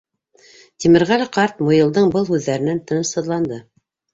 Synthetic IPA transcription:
t̪ʲimɘ̆ɾʁælæqɑɾt̪mŏjɤ̆lˠd̪ɤɴbɤlˠhʉðːæɾɘ̆nænt̪ɤnɤʃɤ̆ðlˠɑnd̪ɤ

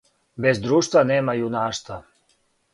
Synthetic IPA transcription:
bezd̪ɾuːʃt̪vaneːmajunaːst̪va

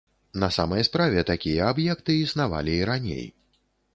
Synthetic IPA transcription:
nɐsa̰mɐjspɾavʲɛt̪akʲijɐabjɛkt̪ɨisnava̰lʲiːɾanʲḛj

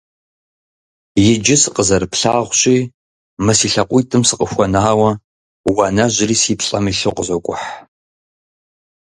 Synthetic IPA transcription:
jɪd͡ʒɪsɨqʼəzɐɾɨpɬaːʁʷɕʼiː | mɐsiːɬɐqʷʊtʰɨmsɨqʼəxʷɔnaːwɐ | wɐnɐʑɪɾiːsiːpɬʼɐmiɬɨqʷʼəzɐkʷʼʊħ

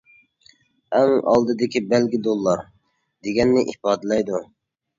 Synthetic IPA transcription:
ɛŋɑ̰lˠd̪ɨd̪ɪkʲibɛlɡʲid̪olˠːɑɾ | d̪eɡʲɛnːɪʔipɑːd̪ɨlɛjd̪u

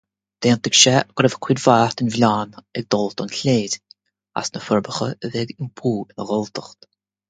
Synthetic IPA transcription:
d̪̥eːnt̪əɡʃɛɡ̥ɾɛvəkʰwidvaːht̪ɪnvlʲaːnɛɡ̚d̪ɔlt̪ɔnɬeːd̥ʲ | a̰snəfəɹbəxəəðɛɡɪnpʰuːɪnəɣɔlt̪əxt̪

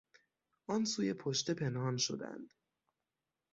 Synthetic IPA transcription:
ʔɒːnsuːje̞pʰoʃt̪e̞pʰe̞nhɒːnʃo̞̰d̪æ̰nd̪̥

